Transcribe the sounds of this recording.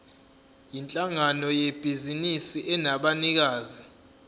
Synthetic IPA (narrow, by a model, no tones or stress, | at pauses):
jint͡ɬʼaŋanɔjeb̥ʱizinisiʔɛnaɓanik̬aːzi